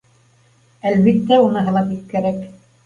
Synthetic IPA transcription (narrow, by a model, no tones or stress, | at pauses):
ælβit̪ːæunɤɦɤ̆lˠɑp̪it̪̚kæɾæk